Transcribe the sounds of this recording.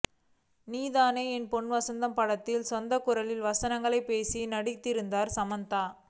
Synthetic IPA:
niːðaːneːɛnpɔɳʋɐsɐnd̪ɐmpɐɽɐt̪ːɪlsɔnd̪ɐkːʊɾɐlɪlʋɐsɐnɐŋɡɐɭɐɪpːeːsinɐɽɪt̪ːɪɾɯnd̪aːɾsɐmɐnt̪aː

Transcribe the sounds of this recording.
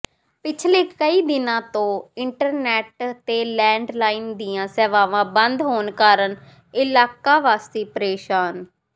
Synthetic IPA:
pɪt͡ʃʰleːkəiːd̪ɪnãːt̪õːɪɳʈəɾnɛːʈt̪eːlɛːɳɖlaːind̪ijãːsɛːʋaːʋãːbənd̪ɦoːnkaːɾən | ɪlaːkaːʋaːst̪eːpəɾeːʃaːn

